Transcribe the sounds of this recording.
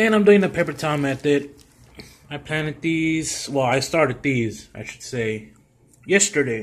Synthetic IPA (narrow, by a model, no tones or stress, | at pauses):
æ̃nãɪ̃mdʉɪ̃ŋɨpʰeɪpə˞tʰãɪ̃mɨt̪ɪɾ | aɪpʰl̥æ̃nɨt̪̚ðiz̥wɛlˠaɪstɑɹɾɨd̪̚ðiz̥a̰ɪʃɨd̥seɪ | jɛstə˞ɾeɪ